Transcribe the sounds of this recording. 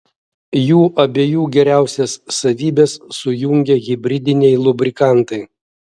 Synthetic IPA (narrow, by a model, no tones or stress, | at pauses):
juːʔɐbʲeːjuːɡʲɛɾʲæˑʊsʲɛsːɐʋʲiːbʲesːʊjʊŋʲɡʲɛɣʲɪbʲɾʲɪd̪ʲɪnʲɛɪlˠʊbʲɾʲɪkɑˑnt̪ɐɪ